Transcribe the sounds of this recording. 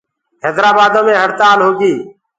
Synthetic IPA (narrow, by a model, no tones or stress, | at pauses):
ɦɛːd̪ɾaːbaːd̪õːmẽːɦəɽt̪aːlɦoːɡiː